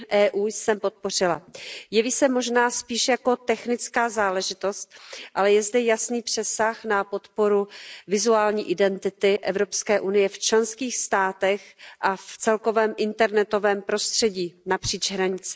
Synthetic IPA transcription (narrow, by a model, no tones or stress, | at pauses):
ʔɛːʔuːjsɛmpo̞t̪̚po̞rɪla̰jɛviːsɛmo̞ʒnaːspiːʃjako̞t̪ɛxnɪt͡skaːzaːlɛʒɪt̪o̞st̪̚ʔalɛjɛzd̪ɛjasniːpr̥ɛsaxnapo̞t̪po̞ɾuvɪzuaːlɲiːʔɪdɛnt̪ɪt̪ɪʔɛvɾo̞pskɛːʔunɪjɛft͡ʃlɛnskiːxst̪aːt̪ɛxʔaft͡sɛlko̞vɛːmʔɪnt̪ɛɾnɛt̪o̞vɛːmpɾo̞st̪r̝̥ɛɟiːnapr̥iːt͡ʃɦɾaɲɪt͡sɛ̥